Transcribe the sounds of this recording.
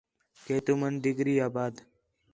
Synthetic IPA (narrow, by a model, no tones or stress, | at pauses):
keːt̪umənd̪ɪɡɾiːaːbaːd̪